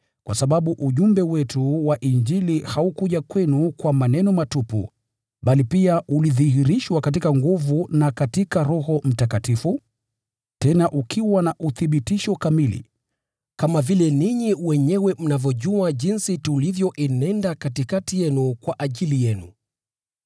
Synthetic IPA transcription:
kwʔasaɓaɓuʔuʄumbɛwɛtʰuwaʔiɲd͡ʒilihaukuʄakwɛnukwamanɛnɔmatupṵ | ɓalipiaʔuliðihiɾiʃwakat̬ikaŋɡuvunakatikaɾɔhɔm̩takatifu | tɛnaʔukʰiwanaʔuθiɓitiʃɔkamilḭ | kamavilɛniɲiwɛɲɛwɛm̩navjɔʄuaʄinsitulivjɔʔinɛndakatikatijɛnukwaʔaʄilijɛnṵ

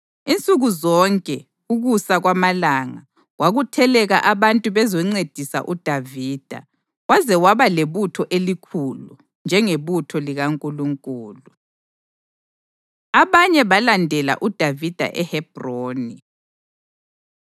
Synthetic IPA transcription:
int͡sʼuɣuzɔŋkʼɛ | uɣusaɣwamalaŋa | ɣwaɣutʰɛlɛɣaʔaβantʼuβɛzɔŋ͡ǀed̥ʱisa̰ʔud̥ʱaviːd̥ʱa̰ | wazɛwaβaleβutʰɔʔelikʰulu | nd͡ʒʱɛŋeβutʰɔliɣaŋkʼuluŋkʼuːlu | aβaɲɛβalandʱɛla̰ʔud̥ʱavid̥ʱa̰ʔɛhɛb̥ʱroːni

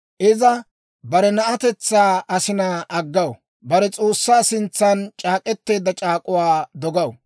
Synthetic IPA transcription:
ʔɪzɐ | bɐɾɛnɐʔɐt̪ɛt͡sːaːɐsɪnaːʔɐɡːɐw | bɐɾɛt͡sʼoːsːaːsɪnt͡sːɐnt͡ʃʼaːkʼɛt̪ːe̞ːd̪ɐt͡ʃʼaːkʼʊwaːd̪ɔɡɐw

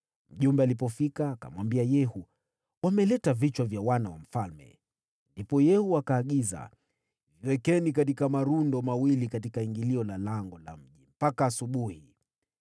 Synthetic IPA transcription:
m̩ʄumbɛalipɔfikaːka̰mwambiajɛhu | wamɛlɛtavit͡ʃwavjawanawa̰m̩falmɛ̰ | ndipɔjɛhuakaːɠiza̰ | viwɛkɛnikat̬ikamaɾundɔmawilikat̬ikaiŋɡiliɔlalaŋɡɔla̰m̩ʄim̩pakaːsuɓuhi

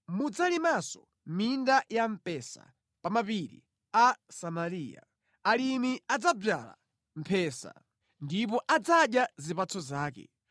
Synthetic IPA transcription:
mud͡zalimasɔ | mindajam̩pɛsa̰ | pamapiɾḭ | asamaɾiːja̰ | alimiad͡zab͡ʐala̰ | m̩pʰɛːsa̰ | ndip̬ɔʔad͡zaɗjazipat͡sʰɔzaːkɛ̰

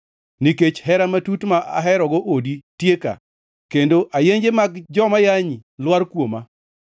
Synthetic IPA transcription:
niket͡ʃhɛɾamatutmaʔa̰ɦɛɾɔɡoʔoditjeka̰ | kendoʔajeɲd͡ʒemaɡd͡ʒɔmajaɲilwaɾkwoma

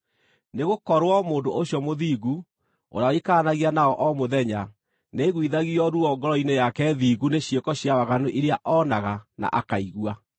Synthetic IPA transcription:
neɣokɔɾwɔmoːndoʔoɕjɔmoðiːɣu | o̰ɾaɔikaːnaɣianaɔʔɔmoðɛɲa | neɣwiðaɣiɔɾuɔɡɔɾɔinejakɛðiːɡuneɕjekɔɕjawaɣanoʔiɾeaʔɔnaɣana̰ʔakaiɣwa

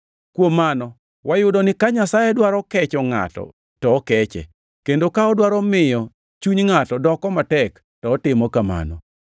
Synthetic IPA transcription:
kwomːanɔ | wajʊdɔnɪkaɲasajɛdwaɾɔkɛt͡ʃɔŋa̰tɔ̰ | tɔːkɛt͡ʃɛ̰ | kendokaɔdwaɾɔmɪjɔ | t͡ʃuɲŋatɔdɔkɔmatɛk | tɔːtɪmɔkama̰nɔ̰

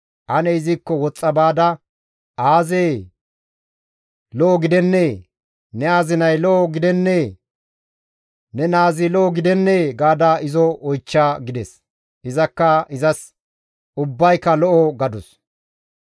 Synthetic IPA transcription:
ʔɐnɛɪzɪkːɔwɔt͡sʼːɐbaːd̪ɐ | ʔaːzeː | lɔʔːɡɪd̪ɛnːeː | nɛaːzɪnɐjlɔʔɔɡɪd̪ɛnːeː | nɛnaːzɪlɔɔɡɪd̪ɛnːeːɡaːd̪aɪzɔɔjt͡ʃːaːɡɪd̪ɛs | ʔɪzɐkːɐɪzɐs | ʊbːɐjkːɐlɔʔɔɡɐd̪ɔs

